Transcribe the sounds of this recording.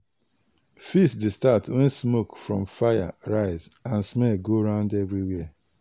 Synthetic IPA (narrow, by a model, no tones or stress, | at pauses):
fisdestatwɛ̃nsmokfɹɔ̃mfaja̰ɹaɪzãnsmɛlɡoɹãʊ̃ndɛvɹiwɛ